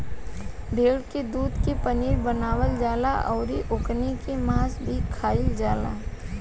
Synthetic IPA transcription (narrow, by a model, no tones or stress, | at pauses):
b̪ʱeːɽked̪uːd̪kepɐniːɾbənaːwəld͡ʒaːlaʔɔːɾiʔʊknikemaːsbʱikʰaːɪld͡ʒaːla̰ː